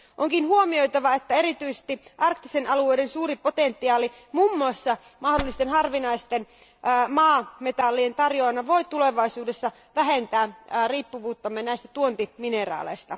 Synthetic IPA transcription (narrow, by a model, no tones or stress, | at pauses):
ʔoŋkinhuomiojt̪ɑʋɑet̪ːæe̞ɾit̪yise̥st̪iʔɑrkt̪isenɑlueijdensuːɾipot̪ent̪ːiɑːli | mumːuɑsːɑmɑhdolːist̪enɦɑrʋinɑist̪enː | mɑːmet̪ɑlːient̪ɑrjoɑnːɑʋo̞it̪uleʋɑisuːdesːɑ | ʋæɦent̪æːriːpːuʋuːt̪ːɑmːenæist̪æ̥t̪uont̪iminerɑ̰ːlḛist̪ɑ